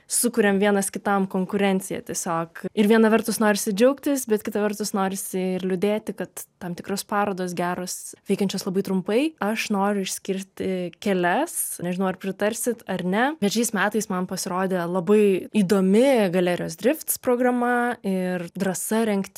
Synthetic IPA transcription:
sʊkʊɾʲɛmʋʲiɛnɐskʲɪt̪ɐmkoːŋkʊɾʲɛnʲt̪sʲɪjɛ̰t̪ʲiɛsʲoːkɪɾʋʲiɛnɐʋʲɐrt̪ʊsnoːɾʲɪsʲɪd͡ʒʲɛʊkt̪ʲɪsbʲɛt̪̚kʲɪt̪ɐʋʲɛrt̪ʊsnoːɾʲɪsʲɪɪrlʲʊd̪ʲeːt̪ʲɪkɐt̪tɐmt̪ʲɪkroːspɑːɾoːd̪oːsɡʲæːɾoːsʋʲɛɪkɐnʲt͡ʃʲoːslˠɐbɐɪt̪ɾʊmpɐɪɐʃnoːɾʲʊɪʃʲsʲkʲɪɾʲt̪ʲɪkʲɛlʲɛsnʲɛʒʲɪnɐʊɐrpʲɾʲɪt̪ɐɾʲsʲɪt̪ɐrnʲɛʋʲɛt͡ʃʲɛɪsmʲæːt̪ɐɪsmɐnpɐsʲɪɾoːd̪ʲelˠɐbɐɪiːd̪oːmʲɪɡɐlʲæːɾʲɪjoːsd̪ʲɾʲɪft̪spɾoːɡrɐmɐɪrd̪rɐsɐɾʲɛŋkt̪ʲ

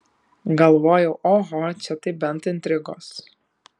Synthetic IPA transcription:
ɡɐlˠʋoːjɛʊʔoːɦɔt͡ʃʲɛt̪ɐɪbʲɛnt̪ɪnʲt̪ʲɾʲɪɡoːs

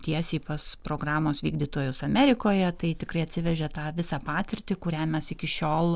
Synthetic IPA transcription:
t̪ʲiɛsʲiːpɐspɾoːɡrɑːmoːsʋʲiːɡd̪ʲiːt̪oːjʊsɐmʲɛːɾʲɪkoːjɛt̪ɐɪt̪ʲɪkrɐɪɐt̪ʲsʲɪʋʲɛʒʲɛt̪ɑːʋʲɪsɑːpɑːt̪ʲɪɾʲt̪ʲɪkʊɾʲæːmʲɛsɪkʲɪʃʲoːlˠ

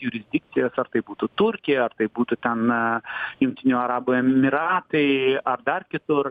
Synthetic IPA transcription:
jʊɾʲɪzʲd̪ʲɪk̚t̪sʲɪjɛsɐrt̪ɐɪbuːt̪ʊt̪ʊɾʲkʲɪjɛɐrt̪ɐɪbuːt̪ʊt̪ʲɛn | jʊŋʲk̚t̪ʲɪnʲoɐɾɑːboɛmʲɪɾɑːt̪ɐɪɐrd̪ɐrkʲɪt̪ʊr

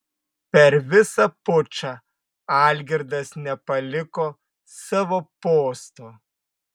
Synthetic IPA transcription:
pʲɛɾʋʲɪsɐpʊt͡ʃɑ | ɑːlʲɡʲɪɾd̪ɐsnʲɛpɐlʲɪkoː | sɑʋoːpoːst̪oː

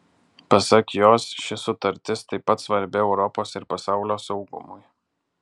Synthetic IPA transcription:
pɐsɐkjoːsʃʲɪsʊt̪ɐɾʲt̪ʲɪst̪ɐɪpːɐt̪sʋɐɾʲbʲɪɛʊɾɔpoːsɪɾpɐsɑˑʊlʲoːsɒʊɡʊ̰mʊj

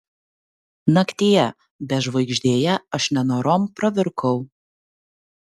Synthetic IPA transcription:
nɐkt̪ʲiːjɛ | bʲɛʒʋɐɪɡʒʲd̪ʲeːjɛɐʃnʲɛnoːɾoːmpɾɐʋʲɪɾkʰɐʊ

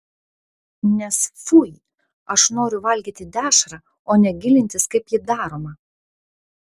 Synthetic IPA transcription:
nʲɛsfuj | ɐʃnoːɾʲʊʋɐlʲɡʲiːt̪ʲɪd̪ʲæːʃɾɑ | oːnʲɛɡʲɪlʲɪnʲt̪ʲɪskɐɪpjɪd̪ɑːɾoːmɐ

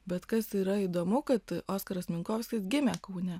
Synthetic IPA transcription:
bʲɛt̪kɐsiːɾɐiːd̪oːmʊkɐt̪oːskɐɾɐsmʲɪŋkoːʋʲsʲkʲɪsɡʲɪmʲækɐʊnʲɛ

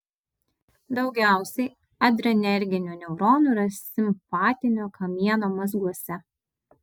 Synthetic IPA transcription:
d̪ɒʊɡʲæˑʊsʲɛɪ | ɐd̪ʲɾɔnʲɛɾʲɡʲɪnʲuːnʲɛʊɾɔnuːˑɾɐsʲɪmpɑːt̪ʲɪnʲoːkʰɐmʲiɛnoːmɐzɡuɔsʲɛ

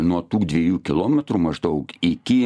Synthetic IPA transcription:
nuɔt̪uːd̪ʲʋʲɛjuːkʲɪlˠoːmʲɛt̪ɾuːmɐʒd̪ɐʊkɪkʲɪ

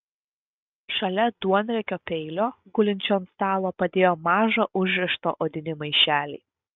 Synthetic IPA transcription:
ʃɐlʲɛd̪̥uɔnʲɾʲɛkʲoːpʲɛɪlʲoːɡʊlʲɪnʲt͡ʃʲoːnst̪ɑːlˠoːpɐd̪ʲeːjoːmɑːʒɐʔʊʒʲɾʲɛʃt̪o̰ːʔoːd̪ʲɪnʲɪmɐɪʃʲæːlʲiː

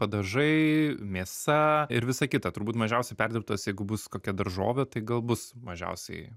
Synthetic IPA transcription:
pɐd̪ɐʒɐɪmʲeːsɐɪɾʋʲɪsɐkʲɪt̪ɐt̪ʊɾbuːt̪mɐʒʲɛʊsʲɛɪpʲɛrʲdʲɪɾp̚t̪oːsjɛɪɡʊbʊskoːkʲɛd̪ɐɾʒo̰ːʋʲɛt̪ɐɪɡɐlˠbʊsmɐʒʲɛ̰ʊsʲɛ̰ɪ

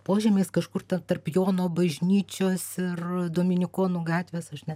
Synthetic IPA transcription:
poːʒʲɛːmʲeːskɐʃkʊrt̪ʲɛnt̪ɐrpjoːnoːbɐʒʲnʲiːt͡ʃʲoːsɪrd̪oːmʲɪnʲɪkoːnuɡɑːt̪ʲʋʲeːsɐʃʲnʲɛ

